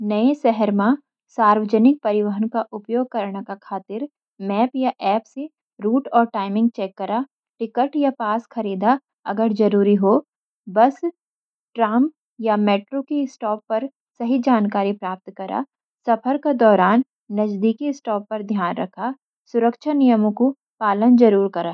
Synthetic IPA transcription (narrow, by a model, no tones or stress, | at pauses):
nɐesɛɦəɾmã | saːɾwəd͡ʒənɪk̚pɐɾɪʋəɦənkaʔʊpjoːɡ̚kɐɾɽ̃akakʰaːt̪ɪɾ | mɛːpjaʔɛːpse | ɾuːʈɔːɾʈaːɪmɪ̃ŋɡ̚t͡ʃɛːkːɐɾa | ʈɪkəʈjapaːsxɐɾiːd̪a | ɐ̰ɡəɾd͡ʒɐɾuːɾiɦo | bɐs | ʈɾaːmp | jameːʈɾokesʈɔːpːɐɾ | sɐɦid͡ʒaːnkaːɾipɾaːp̚t̪kɐɾʔa̰ː | sɐpʰəɾked̪ɔːɾaːnː | ɐd͡ʒd̪iːkiɪsʈɔːpːɐɾd̪ʱjaːnɾɐkʰa | sʊɾəkʃʰanijəmõko | paːlənd͡ʒɐɾuːɾkɐɾaː